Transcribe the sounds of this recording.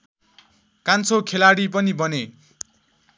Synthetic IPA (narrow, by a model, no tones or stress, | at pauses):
kant͡sʰokʰelaɽip̬ʌnibʌne